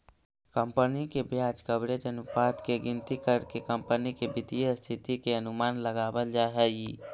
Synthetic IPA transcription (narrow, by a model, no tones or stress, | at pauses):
kəmpənikebjat͡ʃkəbɽed͡ʒənupat̪keɡɪnt̪ikəɾkekəmpənikebid̪ijəst̪ʰit̪ikeənumaːnləɡabəld͡ʒaɦəji